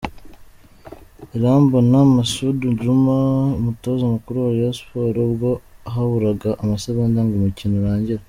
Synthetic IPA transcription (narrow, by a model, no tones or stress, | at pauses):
eɾaːmbonamasuduɟumaumuto̞ːzamukuɾuwajospoɾoβɡo̞aɦaβuɾaɡaʔamasaβandaŋɡumucinoɾaːɲɟiɾa